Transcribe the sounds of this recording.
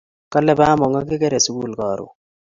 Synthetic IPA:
ka˦lɛ˦ba˦mɔ˨ŋa˦kɪ˦kɛ˦ɾɛ˨su˦ɡu˦˨lkɔ˨ɾṵ˨

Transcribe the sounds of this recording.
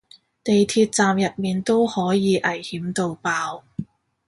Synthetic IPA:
t̪e˨jt̪ʰiː˧t̚t͡saː˨mjɐ˨t̚miː˨nt̪o˥whɔː˨˥jiː˨˧ʔɐ˨˩jhiː˨˥mt̪o˧wpaː˧w

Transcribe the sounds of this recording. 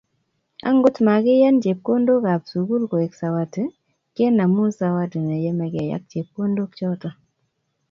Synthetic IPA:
a̰˦ŋɡʊ˦tma˨kɪ˦ja˦nt͡ʃe˨p̚ko˦ndo˦ka˨psu˨ɡu˦lko˨ɛ˨ksa˨wa˨tɨ˨ | ke˦na˨mu˦sa˨wa˦tə˨nɛ˨jɛ˦mɛ˨ɡa˨ja̰˦k̚t͡ʃe˨p̚ko˦ndo˦k̚t͡ʃɔ˦tɔ˦

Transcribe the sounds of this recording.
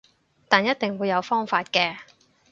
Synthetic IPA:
t̪aː˨njɐ˥t̚t̪ɪ˨ŋwuː˨˧jɐ˨˧wfɔː˥ŋfaː˧t̚kɛː˧

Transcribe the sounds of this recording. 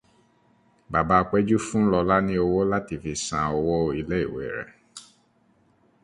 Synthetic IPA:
ba˨ba˧k͡pɛ˦d͡ʒu˦fũ˦lɔ˧la˦nĩ˦o˧wo˦la˦ti˨fi˨sã˨o˧wo˦i˧le˦i˦˨wḛ˨ɾɛ̰˨

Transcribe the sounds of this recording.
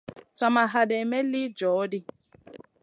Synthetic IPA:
sa˨ma˨ɦa˨dɛ˨mɛ˦li˦d͡ʒɔː˨˦di˦

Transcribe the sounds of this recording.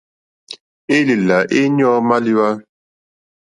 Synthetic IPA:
e˦li˨la˨ʔe˦ɲɔ˦ma˦li˦wa˦

